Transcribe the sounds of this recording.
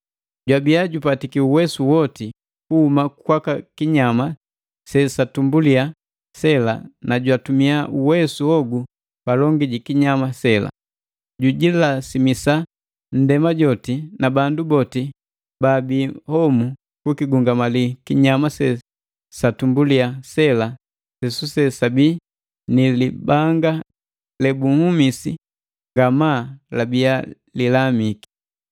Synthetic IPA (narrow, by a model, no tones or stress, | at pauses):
ɟwabiaɟupatikiuwɛsuwɔti | kuhumakwakakiɲama | sɛsatumbulia | sɛla̰naɟwatumiaʔuwɛsuɔɡu | palɔŋɡiɟikiɲamasɛla̰ | ɟuɟilasimisa | n̩dɛmaɟɔtinabandubɔti | babihɔmu | kukiɡuŋɡamalikiɲamasɛ | satumbuliasɛla | sɛsusɛsabi | nilibaŋɡa | lɛbuhumisḭ | ŋɡamaːlabija | lilamiki̥